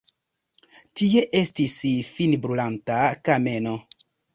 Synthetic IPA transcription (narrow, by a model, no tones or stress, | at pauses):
tie̞ʔe̞stisfinbɾulantakame̞no